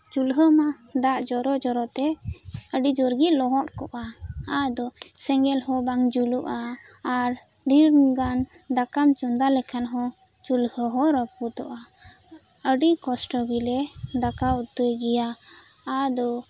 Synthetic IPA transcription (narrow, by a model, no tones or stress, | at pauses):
t͡ʃulɦəmad̪aʔd͡ʒɔɾɔd͡ʒɔɾɔt̪ɛəɖid͡ʒɔɾɡiʔ̪lɔɦɔ̃ʔ̚kɔʔaad̪ɔsɛŋɡɛlhɔ̃baŋd͡ʒuluʔaː | ɾ | ɖiɾnɡand̪akamt͡ʃɔnd̪alɛkʰanɦɔ̃ | t͡ʃulhəɦɔɾəpud̪ɔʔa | əɖikɔsʈɔɡilɛd̪akaut̪ːəjɡɛjaː | d̪ɔ